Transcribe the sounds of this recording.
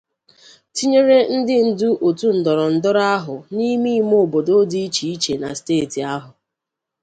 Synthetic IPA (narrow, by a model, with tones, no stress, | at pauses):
ti˦ɲe˦ɾe˦n̩˦dɪ˦n̩˨du˦ʔo˨tu˦n̩˨dɔ˨ɾɔ˨n̩˨dʊ˦ɾa˦ɦʊ˨ni˦mi˦mo˦˨bo˨do˦di˦i˦t͡ʃi˨i˦t͡ʃe˨na˨steː˦˨ti˨a˦ɦʊ˨